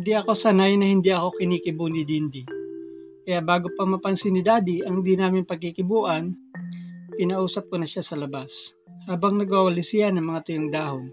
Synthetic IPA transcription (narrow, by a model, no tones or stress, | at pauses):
nd̪iʔɐko̞sɐnajnɐhɪnd̪iʔɐko̞kɪniːkɪbunɪd̪ind̪ɪ | kɐjaʔbaːɡopɐmɐpɐnsɪnɪd̪aːd̪iʔɐŋhnd̪inaːmɪnpɐɡ̚kikɪbuːʔɐn | pɪnɐʔuːsɐp̚konɐʃasɐlɐbas | haːbɐŋnɐɡwawɐlɪsɪjanɐŋmɐŋat̪ʊjoŋd̪aːɦoŋ